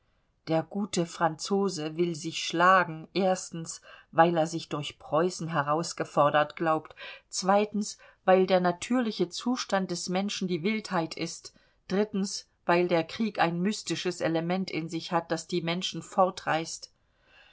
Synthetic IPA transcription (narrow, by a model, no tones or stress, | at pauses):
d̥eːɐɡuːtəfʁ̥ant͡soːzəvɪlzɪçʃlaːɡŋ̩ʔeːɐstn̩svaɪleːɐzɪçd̥ʊɐçpʁ̥ɔʏsn̩ɦɛʁaʊsɡ̥əfɔɐdɐtɡ̥laʊptt͡sv̥aɪtn̩s | vaɪldeːɐnatʰyːɐlɪçət͡suːʃtant̚d̥ɛsmɛnʃn̩diːvɪlthaɪtɪst | d̥ʁɪtn̩s | v̥aɪldeːɐkʁ̥iːkaɪnmystɪʃəsʔeləmɛntɪ̰nzɪçhat̚d̥asd̥iːmɛnʃn̩fɔɐtʁaɪst